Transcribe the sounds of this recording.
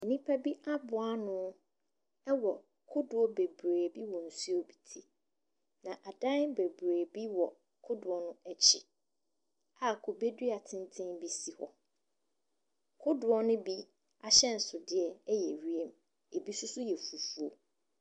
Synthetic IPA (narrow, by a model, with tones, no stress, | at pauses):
ɛ˨nĩ˦pʰa˦bi˦ʔa˦bʊ˨a˦nʊ̃˦ | ɛ˦wɔ˨ | kʰʊ˦dʊ˨ɔ˦be˨bɾeː˨bi˦wɔ̃˨n̩˨su˦o˦bi˨tʰi˦˨ | nã˨ʔa˨dã˦n˦be˨bɾeː˨bi˦wɔ˨ | kʰʊ˦dʊ˨ɔ˨nʊ̃˦ɛ˦t͡ɕʰɪ˨ | a˨kʰo˨be˦dɥa˨tʰɪ̃˦n˦tʰɪ̃˦mbi˦si˨hɔ̰˨ | kʰʊ˦dʊ˨ɔ˦nʊ̃˦bi˦ | a˨ɕɛ˦n̩˨sʊ˨dɪ˦ɛ˨ɛ˦jɛ˨ɥi˦e˦m˨ | e˨bi˦sʊ˦sʊ˦jɛ˨fu˨fu˦o˨